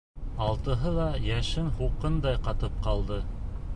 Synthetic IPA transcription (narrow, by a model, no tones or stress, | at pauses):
ɑlˠt̪ɤ̆ɦɤlˠɑjæʃɘnɦuqɤnd̪ɑjqɑt̪ɤp̚qɑlˠd̪ɤ